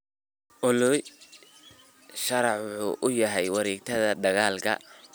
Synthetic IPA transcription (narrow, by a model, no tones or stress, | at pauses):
ʔʊlʊj | ʃɐɾɑħwʊħṵːʔʊjɐɦɛjwɐɾiːɡ̚t̪ʰɐðɐd̪ɐɣaːlkʰɐ̰